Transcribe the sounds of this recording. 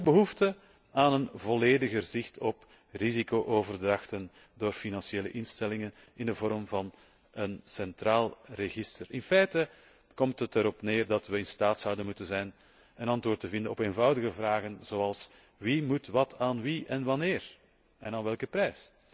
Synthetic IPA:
ədbəɦuftə | aːnənvɔleːdəɣərzɪxtɔp | rizikoːʔoːvərdrɑxtən | doːrfinɑnsjeːlə̰ʔɪnstɛlɪŋən | ɪndəvɔɾmvɑn | ənsɛntraːlˠrəɣɪstərɪnfɛjtə | kɔmtɦətəɾɔpneːrdɑtʋəɪnstaːtsʌwdənmutənzɛjn | ənɑntwoːrtəvɪndənɔpeːnvɑwdəɣəvraːɣənz̥oːɑlˠs | ʋimutʋɑtʰaːnʋiʔɛnʋɑnɪːr | ɛnaːnʋɛlˠkəprɛjs

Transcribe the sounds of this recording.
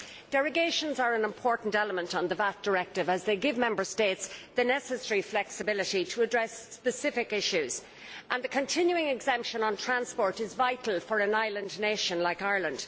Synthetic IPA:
d̥ɛɹəɡeɪʃə̃nzə˞ə̃nɪ̃mpʰɔɹʔn̩tɛləmə̃ntn̩ðəvat̚d̥ə˞ɛk̚tɪvəzðeɪɡɪvmɛ̃mbə˞steɪtsðənɛsəsɛɹiflɛksɨbɪlɪɾiɾʰəːdɹɛsːpɨsɪfɪkɪʃʉz̥ | ʔə̃nðəkʰə̃ntʰɪ̃njuɪ̃ŋɪɡzɛ̃mpʃə̃nə̃ntʰɹ̥ãnspɔɹɾɪzvaɪɾl̩ˠfə˞ə̃naɪlə̃nneɪʃə̃nlaɪkaɪɹlə̃nd̥

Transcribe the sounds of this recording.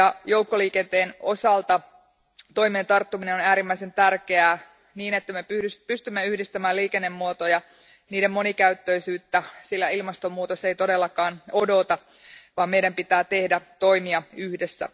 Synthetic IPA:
jɑjo̞wkːoliːkent̪e̞ːno̞sɑlt̪ɑ | t̪o̞jmeːnt̪ɑrt̪ːuminenonæːɾimːæise̞nt̪ærkeæː | niːne̞t̪ːæmepyyspyst̪ymːeyhdist̪æmæːliːkenːe̞mːuot̪ojɑ | niːdemmo̞nikæyt̪ːø̞jsyːt̪ːæsilːæilmɑst̪omːuːt̪osːejt̪o̞de̞lːɑkɑːnodo̞t̪ɑ | ʋɑːmme̞jɾæmpit̪æːt̪e̞hdæt̪o̞jmiɑyhde̞sːæ̰

